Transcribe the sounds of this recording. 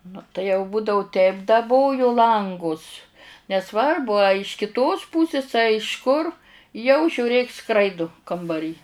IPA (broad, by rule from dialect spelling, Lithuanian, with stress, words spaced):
nʊ tɐɪ jɛʊ ˈbuːdɐʋʊ tʲɛɪp dɐˈboːjʊ ˈlˠɐŋɡʊs nʲɛˈsʋɐrbʊ ɐ ɪʃ kʲɪˈtoːs ˈpuːsʲɪs ɐ ɪʃ kʊr jɛʊ ʒʲuːˈrʲeːk ˈskrɐɪdʊ kɐmbɐˈrʲiː